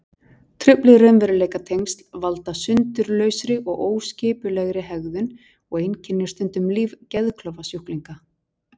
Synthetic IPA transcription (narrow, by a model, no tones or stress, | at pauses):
t̪ʰɾʏplɪrœnvɛɾʏleːjkat̪ʰejŋst̪lvalt̪asʏnt̪ʏɾlœːɥsɾɪʔɔɣʔoːwscɪːpʏlɛɣɾɪɦɛɣðʏn | ɔɣejncʰɪnːɪ̥st̪ʏnt̪ʏmliːvcɛðkʰlœvasjuhkliŋka